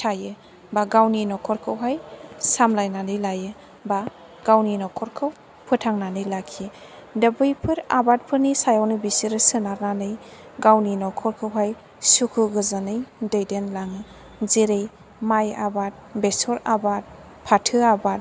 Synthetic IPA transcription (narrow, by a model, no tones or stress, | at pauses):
tʰajɯ | baɡawninɔkʰɔɾkʰɯwɦajsamlajnanɯjlajɯ | ba | ɡ̥awninɔkʰɔɾkʰɯw | pʰɯtʰaŋnanɯjlakʰi | dəbɯjpʰɯɾa̰bat̚pʰɯnisajawnɯbisiɾɯsɯnaɾnanɯj | ɡawninɔkʰɔɾkʰɯwɦaj | sukʰɯɡɯzanɯjdejdenlaŋ | ziɾej | maja̰bat̚besɔɾabat̚ | pʰatʰɯabat̚